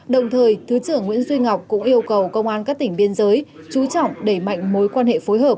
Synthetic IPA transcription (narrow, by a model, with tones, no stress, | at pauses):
ɗə˨˩wŋ͡mt̪ʰəː˨˩jt̪ʰɨ˨˦t͡ɕɨ˧˩əŋːwḭ˧˥ənzwi˧ŋa˨˩wk͡p̚kʊ̰˧˥ŋ͡mʔi˧əwkə˨˩wkə˧wŋ͡mʔaː˧nkaː˦˥k̚t̪ï˩ŋ̟ɓi˧ənzəː˨˦j | t͡ɕu˨˦t͡ɕɔ̰˧˨wŋ͡mɗe˧˩ma̰˧˨jŋ̟mo˨˦jkwaː˧nhḛ˧˨fo˨˦jɦəː˨˩p̚